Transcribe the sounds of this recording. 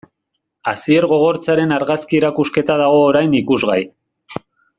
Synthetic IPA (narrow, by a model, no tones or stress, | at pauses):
asie̞ɾɣo̞ɣ̞o̞ɾt͡saɾenaɾɣaskieɾakuske̞t̪aðaɣ̞o̞ːɾajnikuzɣaj